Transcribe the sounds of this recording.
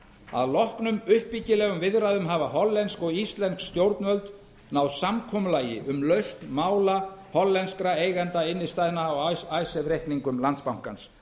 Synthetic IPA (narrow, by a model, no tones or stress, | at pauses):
a̰ðlɔhknʏmʏhpicɪlɛːɣʏmvɪðɾaðʏmɦavaɦɔlːɛnskɔɣist̪lɛnskst̪jowɾt̪nvœlt̪ | nawsamkʰɔmʏlaːjɪʔʏmlœɥst̪maːwlahɔlːɛnskɾaeːjɣɛnt̪aɪnːɪst̪ajðnaːwajsɛvɾehkniŋkʏmlant̪spawŋ̥kans